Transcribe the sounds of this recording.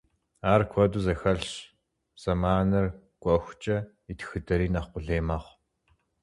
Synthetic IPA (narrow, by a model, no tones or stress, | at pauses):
aːrkʷʰɔduːzɐxɐɬ | z̥ɐmaːnɨr | ɡʷʼɔxʷt͡ʃʼɐ | itʰxɨdɐɾiːnɐχqʷʊɮeːmaːχʷ